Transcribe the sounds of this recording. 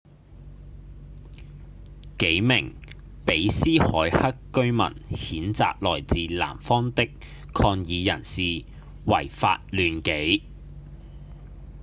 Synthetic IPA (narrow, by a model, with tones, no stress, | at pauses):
ke˨˥jmɪ˨˩ŋ | pe˨˥jsiː˥hɔ̰ː˨˥jhɐ˥kːɵ˥ɥmɐ̰˨˩nhiː˨˥nt͡sa̰ː˧k̚lɔː˨˩jt͡siː˨la̰ː˨˩mfɔː˥ŋt̪ɪ˥k | kʰɔː˧ŋjiː˨˧jɐ˨˩nsiː˨ | wɐ̰˨˩jfa̰ː˧t̚lyː˨nke˨˥j